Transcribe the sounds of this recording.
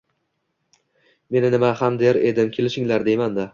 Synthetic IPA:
me̞nɪnɪmahamd̪eɾe̞d̪ɪmkʲʰe̞lɪʃɪŋlaɾd̪ejmand̪a

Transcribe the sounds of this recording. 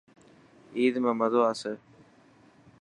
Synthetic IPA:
iːd̪mẽːməd̪ʱoːəsə

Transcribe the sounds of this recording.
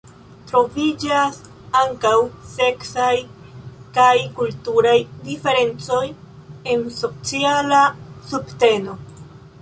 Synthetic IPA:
tɾo̞vid͡ʒas | aŋkawse̞ksaj | kajkultuɾajdife̞ɾe̞nt͡so̞j | e̞nso̞t͡sialasubte̞no̞

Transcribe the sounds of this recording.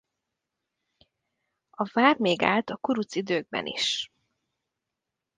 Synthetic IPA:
ɒvaːrmeːɡa̰ːlt̪ɒkuɾut̪sid̪øːɡ̚bɛ̰nʔḭʃ

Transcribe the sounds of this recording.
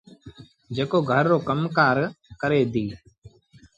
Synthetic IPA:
d͡ʒeːkoːɡʱəɾːoːkəmkaːɾkəɾeːd̪iː

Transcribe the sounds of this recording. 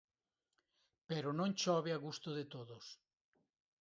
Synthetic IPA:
peɾonõŋt͡ʃɔβeaɣust̪oðet̪oðos

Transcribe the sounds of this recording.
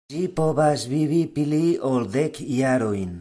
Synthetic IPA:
ipoβazβiβipiliold̪ekʰiaɾoin

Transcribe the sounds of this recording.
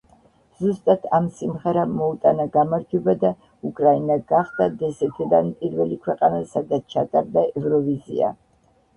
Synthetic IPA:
z̥ust̪ʼat̪ʰamsimʁɛɾamɔut̪ʼanaɡamaɾd͡ʒɛbad̪a | ukʼɾainaɡaχd̪ad̪ɛsɛt̪ʰid̪anpʼiɾvɛlikʰwɛqʼanasad̪at̪t͡ʃʰat̪ʼaɾd̪aɛvɾɔvizḭa̰

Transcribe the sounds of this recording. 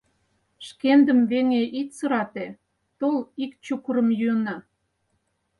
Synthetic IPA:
ʃkend̪əmβeŋeʔit̪sə̆ɾɑt̪e | t̪olikt͡ɕukəɾə̆mjyənɑ

